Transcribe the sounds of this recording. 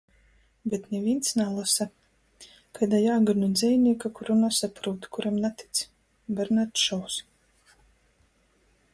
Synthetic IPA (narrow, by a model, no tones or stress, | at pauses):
bʲet̪nevʲint̪snalˠasa | kajd̪ajaːɡaɾnud̪zʲɛjnʲiɛkakuɾunasapɾuːt̪kuɾamnat̪i̥t̪s | bʲɛɾnaɾt̪ʃɔws